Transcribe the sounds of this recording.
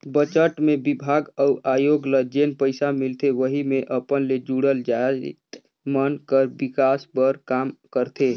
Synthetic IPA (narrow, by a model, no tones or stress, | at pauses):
bət͡ʃəʈmebibʱaɡəuʔajoɡləd͡ʒenpəɪsamilt̪ʰeʋəɦimeʔəpənled͡ʒuɽəld͡ʒat̪ | mənkəɾbikaspəɾkamkəɾt̪ʰe